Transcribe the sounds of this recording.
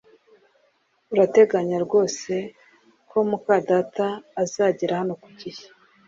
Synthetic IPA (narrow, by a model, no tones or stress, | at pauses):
uɾate̞ɡaɲaɾɡo̞ːse̞ | ko̞mukaːdataːzaːɟiɾahano̞ku̥ɟije̥